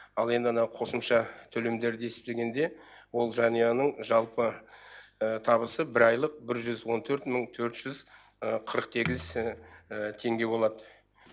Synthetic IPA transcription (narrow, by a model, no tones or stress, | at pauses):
ɑlˠe̞nd̪ɪmənɑqʰo̞səmʃɑt̪ʰɵlemd̪e̞ɾd̪e̞sɪ̥p̚t̪e̞ɡʲe̞nd̪e̞wo̞lˠʒɑnijɑnəɴʒɑlˠpə | t̪ʰɑβəsəbɪɾɑjlˠəq̚bɪɾʒʏzwo̞nt̪ʰɵɾt̪məɴt̪ʰɵɾt̪ʒ̥ʏz | əqʰəɾəq̚t̪ʰe̞ɡʲɪz | t̪ʰe̞ŋɡʲe̞bo̞lˠɑd̪ə